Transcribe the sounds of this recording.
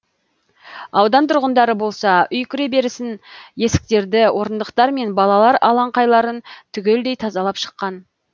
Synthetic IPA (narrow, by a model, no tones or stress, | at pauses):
ɑwd̪ɑnt̪ʰʊɾʁənd̪ɑɾəbo̞lˠsɑʏjkʲʰʏɾe̞be̞ɾɪsɪnje̞sɪ̥k̚t̪e̞ɾd̪ɪwʔo̞ɾənd̪əqt̪ɑɾme̞nbɑlˠɑlˠɑɾɑlˠɑɴqɑjlˠɑɾənt̪ʰʏɡʲe̞ld̪e̞jt̪ʰɑzɑlˠɑpʃə̥qːɑn